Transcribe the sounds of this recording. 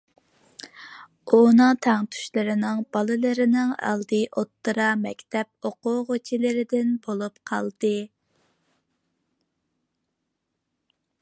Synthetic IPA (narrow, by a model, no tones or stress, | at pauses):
unɨŋt̪ʰæŋt̪ʰy̥ʃlɨɾɪnɪŋb̥ɑlˠɨlˠɨɾɪnɪŋɑ̰lˠd̪ɨʔot̪ːɨɾɑmɛkʲt̪ʰɛp̚oqʊʁot͡ʃʰilɪɾɪd̪ɪnbolˠupqʰɑ̰lˠd̪̥ɨ